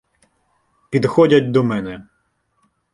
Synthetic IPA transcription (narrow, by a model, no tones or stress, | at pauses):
pʲid̪xɔdʲɐtʲd̪ɔmɛnɛ